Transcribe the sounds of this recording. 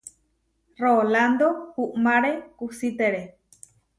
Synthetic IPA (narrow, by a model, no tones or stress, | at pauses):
roland̪ohuʔmaɾekusit̪eɾe